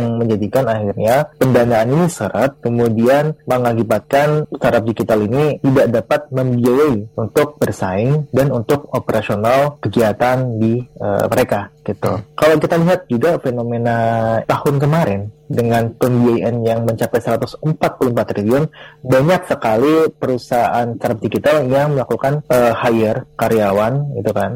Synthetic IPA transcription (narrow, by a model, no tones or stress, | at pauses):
aŋməɲd͡ʒadikanahirɲapəndanaːninisəɾʔət̪̚kəmudianməŋakibat̪̚kanst̪aɾap̚dikit̪alinit̪idaʔdapat̪̚məmbiajaiunt̪ʊk̚bərsaɪŋdanunt̪ʊk̚opəɾʔasionalkəɡiat̪andiə̰məɾekaɡ̥it̪ṵkalawkit̪aliɦat̪̚d͡ʒuɡafenomenat̪ahʊnk̬əmaɾɪndəŋant̪ɔnbiajɛnjaŋməɲt͡ʃapajsəɾat̪ʊsəmpat̪̚pulumpat̪ːɾiliʊnbaɲaksəkalipəɾusaansaɾap̚dikit̪aljaŋməlakukanəhajərkaɾiawanit̪ukan